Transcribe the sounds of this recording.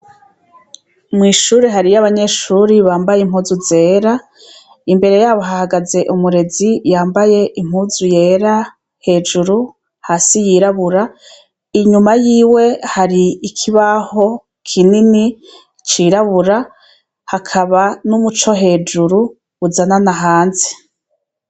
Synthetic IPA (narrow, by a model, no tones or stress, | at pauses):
mŋiːʃuːɾeɦaɾijaβaɲe̞ʃuɾiβaːmbajem̥huːzuze̞ːɾa | imbe̞ɾe̞jaːβo̞ɦahaɡaze̞ʔumuɾe̞zijaːmbaje̞ʔim̥huːzuje̞ːɾa | he̞ːd͡ʒuɾu | haːsijiːɾaβuɾa | iɲumajiːwe̞haɾiikʰiβaho̞ | kʰinini | t͡ʃiːɾaβuɾa | hakʰaβanumut͡ʃo̞ɦe̞ːd͡ʒuɾu | uzananaɦaːnze̥